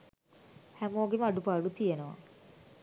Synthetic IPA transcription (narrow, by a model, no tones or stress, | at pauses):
hæmoːɡeməaɖupaːɖut̪ijenəʋa̰